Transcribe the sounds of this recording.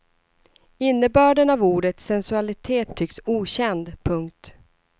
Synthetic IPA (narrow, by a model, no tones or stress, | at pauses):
ɪnːəbœːɖənavuːɖət̪sɛnsɵalɪt̪ʰeːt̪ʰːʏksuːɕɛnd̪pʰɵŋk̚t̪